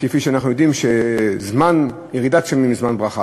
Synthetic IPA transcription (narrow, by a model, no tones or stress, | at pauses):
kefiʃeanaχnujo̞d̪imʃezman | jeʁid̪atʃamimizmanbʁaχa